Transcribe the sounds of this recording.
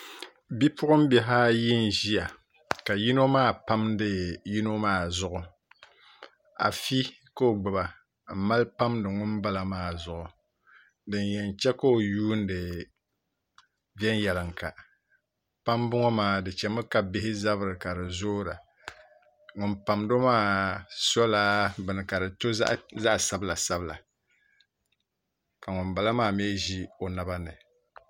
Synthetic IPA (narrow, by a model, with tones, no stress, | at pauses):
bi˦pʊ˦ʔʊ˦m˦bɛ˨ɦaː˦ji˦n˨ʒi˦ja˨ | ka˨ji˦no˦maː˦˨pa˦mdɨ˦ji˦no˦maː˦˨zʊ˦˨ʔʊ˨ | a̰˨fi˦ | ko˦o˨ɡ͡bɨ˨ba˨ | m̩˨ma˦lpa˦mdɨ˨ŋʊ˦nba˦la˨maː˦˨zʊ˨ʔʊ˨ | dɨ˨njɛ˨n˨t͡ʃɛ˦ko˦o˨juː˦n̩˦dɨ˨ | vɛ˦n˦jɛ˨lɨ˨ŋ˨ka˨ | pa˦mbʊ˦ŋɔ˦maː˦˨dɨ˨t͡ʃɛ˨mɨ˦ka˦bɪ˦hɪ˦za˦βɨ˦ɾɨ˨ka˨dɨ˨zoː˦ɾa˨ | ŋʊ˨npa˨mdo˦maː˦sɔ˦laː˦bɨ˨nɨ˨ka˨dɨ˨to̰˦ʔza˦ʔsa˦bla˨sa˦bla̰˨ | ka˨ŋʊ˨nba˨la˦maː˦m˦ɛː˦ʒi˦o˨na˨ba˦nɨ˨